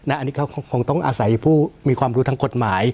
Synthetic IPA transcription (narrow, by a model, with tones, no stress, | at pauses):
na˦˥ʔa˧nːiː˦˥kʰa˦˥wkʰkʰo˧˦ŋt̪ɔ˥˩ŋʔa̰ː˧sa˩˦jpʰuː˥˩miː˧kʰwaː˧mɾuː˦˥t̪ʰa˦˥ko˨˩t̪̚maː˩˦j